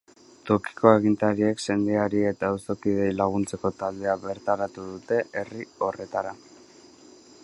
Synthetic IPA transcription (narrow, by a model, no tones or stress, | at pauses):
t̪o̞ki̥ko̞e̞ɣ̞int̪aɾie̞kse̞nd̪eaɾie̞t̪aoso̞kið̞e̞jlaɣ̞unt͡se̞ko̞t̪ald̪e̞aβe̞ɾt̪aɾat̪uðut̪e̞ʔe̞rio̞re̞t̪aɾa